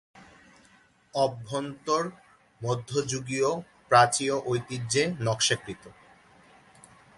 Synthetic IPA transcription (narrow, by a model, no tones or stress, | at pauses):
ɔbʱːont̪oɾ | mod̪ʱːod͡ʑuɡio | pɾat͡ɕioʔojt̪id͡ʑenɔkʃekɾit̪o